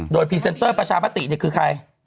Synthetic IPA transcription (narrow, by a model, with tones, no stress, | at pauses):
doː˧˩jpʰiː˧˩se˧nt̪ɤː˥˩pɾa˧t͡ɕʰaː˧maː˦˥t̪ḭ˨ni˥˩ɐkʰɯː˧kʰa˧j